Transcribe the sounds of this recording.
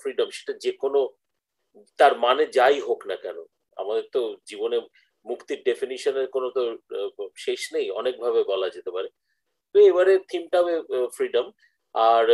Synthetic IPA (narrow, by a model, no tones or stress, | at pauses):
fɾiɖamʃe̥ʈad͡ʑekono | t̪aɾmaned͡ʑajɦoknakɛ̰no̰ | a̰mad̪eɾt̪od͡ʑibone | mukt̪iɾɖefiniʃoneɾkonot̪o | ʃeʃnejɔ̰nek̚bʱabebɔlad͡ʑet̪epaɾe | t̪oebaɾet̪ʰimʈaɦbefɾiɖəm | aɾ